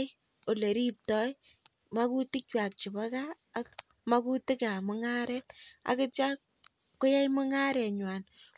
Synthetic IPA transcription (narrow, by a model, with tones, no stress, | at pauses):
o˨le˨ɾi˦p̚tɔ˦j | ma˦ku˦tɪ˦kwa˨k̚t͡ʃɪ˨ba˦kaː˦ | k | ma˦ku˦tɪ˦ka˨mʊ˦ŋa˦ɾɛ˦t̚a̰˨kɪ˦t͡ʃa˦ | kːo˦ja˦jmʊ˦ŋa˦ɾɛ˨ɲwa˨n